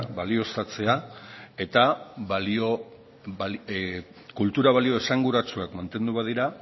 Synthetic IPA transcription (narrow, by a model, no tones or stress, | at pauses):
βalio̞st̪at͡se̞ae̞t̪alio | kult̪uɾaβ̞alio̞esaŋɡuɾat͡suakmant̪e̞nd̪uβað̞iɾa